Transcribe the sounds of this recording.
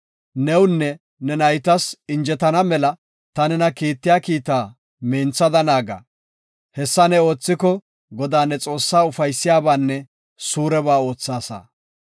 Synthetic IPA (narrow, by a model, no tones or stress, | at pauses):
nɛwnːɛ | nɛnɐjt̪ɐsɪnd͡ʒɛt̪ɐnɐmɛlɐ | t̪ɐnɛnɐkiːt̪ːɪjaːkiːt̪aː | meːnt͡sːɐd̪ɐnaːɡɐ̰ | hɛsːɐnɛo̞ːt͡sːɪkɔ | ɡɔd̪aːnɛt͡sʼo̞ːsːaːʊfɐjsːɪjaːbaːnːɛ | suːɾɛbaːo̞ːt͡sːaːsɐ̰